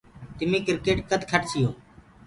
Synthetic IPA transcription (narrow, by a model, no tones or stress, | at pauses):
t̪ɪmiːkɪɾkeːʈkət̪kʰəʈsʰɪjoː